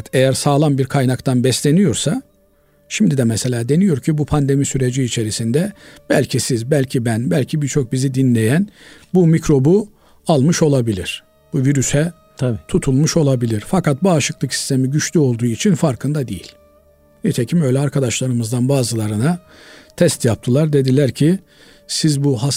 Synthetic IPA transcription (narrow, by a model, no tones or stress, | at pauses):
t̪ʰejæɾsaːlˠanbiɾkʰajnakt̪ʰanbɛslʲe̞nijo̞ɾsa | ʃimd̪id̪ɛmɛse̞lʲaːd̪e̞nijo̞ɾcʰibupʰand̪e̞misyɾe̞d͡ʒiːt͡ʃʰe̞ɾisind̪ɛb̥ælʲcʰisizbælʲcʰibænbælʲcʰibiɾt͡ʃʰo̞k̚bizid̪inlʲe̞jænbumicɾo̞bu | alˠmɯʃo̞lˠabilʲiɾ̥ | b̥uviɾysɛ | t̪ʰut̪ʰulˠmuʃo̞lˠabilʲiɾ̥fakat̪̚baːʃɯklˠɯksi̥st̪ʰe̞miɟyt͡ʃlʲyo̞lˠd̪uːit͡ʃʰinfaɾkʰɯnd̪ad̪ejḭlʲ | nit̪ʰe̞cʰimø̞jlʲɛaɾkʰad̪aʃlˠaɾɯmɯzd̪anbaːzɯlˠaɾɯna | t̪ʰɛst̪jap̚t̪ʰɯlˠaɾd̪e̞d̪ilʲæɾcʰi | sizbuɦa